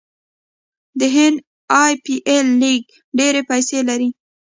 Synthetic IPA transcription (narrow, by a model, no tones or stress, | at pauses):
d̪əɦɪnd̪ | ɑjpiʔelːiɡ̚ | ɖeɾepajselaɾi